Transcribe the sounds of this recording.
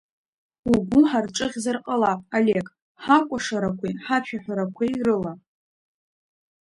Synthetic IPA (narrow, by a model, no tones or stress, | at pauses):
uɡʷuħarʈ͡ʂʼɨʁʲzarqʼalaale̞kʼ | ħakʷʼaʂaɾakʷʰiħat͡ʃᶣaħʷᶣaɾakʷʰerɨla